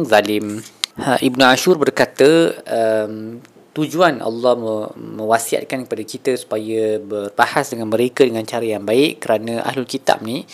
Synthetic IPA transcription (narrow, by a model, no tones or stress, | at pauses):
zalɪmʔibnũaʃurbərkat̪əəm | t̪ud͡ʒuanʔa̰lːɑhəmə̃wasia̰t̪̚kankəpadakit̪əsu̥pajəbərbahasdəŋanmə̃ɾekadəŋãnt͡ʃaɾajaŋbaɪʔkəɾanãʔa̰ɦlʊlkit̪a̰p̚nĩ